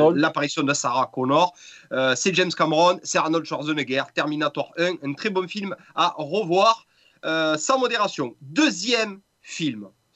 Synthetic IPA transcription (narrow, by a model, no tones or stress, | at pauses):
lapaʁisjɔ̃d̪əsaʁakonɔʁøsɛʒɛmskaməʁɔnsɛʁanɔld̪ʒɔʁzɔnəɡɛʁt̪ɛʁminat̪waʁœ̃ɛ̃nt̪χebɔ̃film | aʁəvwaʁ | øsɑ̃mod̪eʁasjɔ̃d̪øzjɛm | film